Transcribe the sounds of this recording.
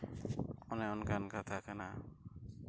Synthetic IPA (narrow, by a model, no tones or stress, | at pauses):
ɔnɛɔnkankat̪ʰakana